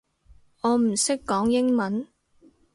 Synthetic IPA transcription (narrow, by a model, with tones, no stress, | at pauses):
ɔː˨˧m̩˨˩sɪ˥kːɔː˨˥ŋjɪ˥ŋmɐ˨˦n